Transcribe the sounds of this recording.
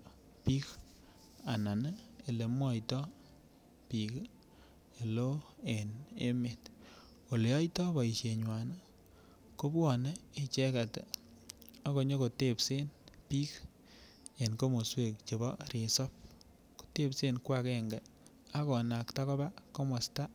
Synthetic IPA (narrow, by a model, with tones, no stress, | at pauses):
pi˦k | a˨na˨ne˦e˨le˨mwɔ˦jtɔ˦ | pi˨k | e˨lo˦e˨ne˦me˨t | o˨le˨jɔ˦jtɔ˦bɔ˨i˨ʃe˨ɲwa˨na˦ | ko˦bɔ˨ne˦e˨t͡ʃɛ˦ka˨te˨ | a˨ko˨ɲo˦ko˨te˦pse˦npi˦k | e˨nko˦mo˨swe˦˨k̚t͡ʃe˨bɔ˦ɾi˨sɔ˦p̚ | ko̥˨te˦pse˦nkwa˦˨kɛ˦ŋɡe | a˦kɔ˨na˨kta˦kɔ˦ba˦ko˦mo˨sta˦